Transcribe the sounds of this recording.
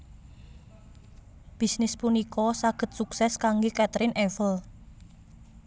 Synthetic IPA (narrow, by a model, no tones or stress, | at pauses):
b̥i̤snɪspunikɔsaɡ̥ə̤t̪̚suksɛskaŋɡokɛt̪ɾɪnʔɛfəl